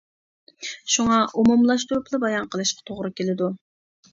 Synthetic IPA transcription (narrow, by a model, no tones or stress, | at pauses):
ʃuŋɑʔumumlˠɑʃt̪uɾuplˠɨbɑjɑnqʰəlˠɨʃqɑ̥t̪ʰoʁɾɨkʲelɪd̪u